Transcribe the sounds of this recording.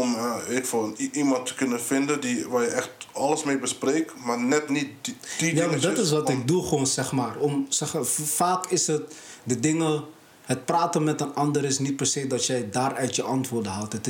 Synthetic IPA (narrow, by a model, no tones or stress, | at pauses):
ɔmaefɔnimɑntə̥kɵnəfɪndəndiʋaːjəʔɛxtɑləsmejbəspreːk | maːrnɛtnit̚d̥ijaːŋdɑtɪs̬ʋɑtɪk̚duχəʋoːnsɛχmaːrɔmsɛχfaːkɪsɦətdədɪŋə | ɦət̚praːtənmɛtənɑndəɾɪsnit̚pərsejdɑtjɛjdaːrœɥtjəʔɑntʋoːrdənɦalˠtət